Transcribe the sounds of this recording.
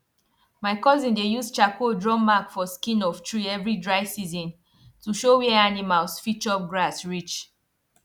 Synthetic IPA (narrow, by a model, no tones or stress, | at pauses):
maɪkɔzĩndejust͡ʃakodɹɔ̃makfɔskĩnɔftʰɹiɛvɹidɹaɪsizɔ̃n | tuʃowɛanimalsfit͡ʃɔɡɹasɹit͡ʃ